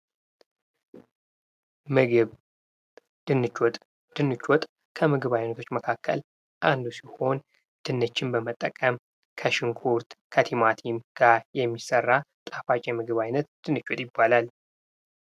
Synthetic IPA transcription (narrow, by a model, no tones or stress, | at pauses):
mɨɡɨβ | d̪̥ɨnːɨt͡ʃɔt̪ʼ | d̪̥ɨnːɨt͡ʃːɔt̪ʼ | kʰəmɨɡɨβajnət̪ʰo̞t͡ʃːməkʰakːə̰l | ʔand̪usiho̞n | d̪̥ɨnːət͡ʃːɪnbəmət̪ʼːəkʼəm | kʰəʃɪŋkʰuɾt̪kʰət̪ʰimat̪ʰimɡ̥aɾjɛmːisərːat̪ʼafat͡ʃʼɛmɨɡɨβajnət̪d̪̥ɨnːɨt͡ʃːot̪ʼjɪbːalal